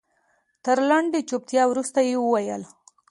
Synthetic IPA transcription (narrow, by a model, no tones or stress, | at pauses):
t̪əɾlaɳɖet͡ʃop̚t̪jɑwɾust̪ajewəwajəl